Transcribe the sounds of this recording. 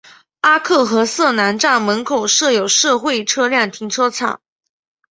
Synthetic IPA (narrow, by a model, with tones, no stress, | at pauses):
a˥kʰɤ˥˩xɤ˧˥sɤ˥˩na˧˥nʈ͡ʂɑ˥˩ŋmə˧˥nkʰo˨˩ʊʂɤ˥˩jo˨˩ʊʂɤ˥˧xwe˥˩ɪʈ͡ʂʰɤ˥ljɑ˥˩ŋt̪ʰi˧˥ŋʈ͡ʂʰɤ˥t͡sʰɑ̰˨˩˦ŋ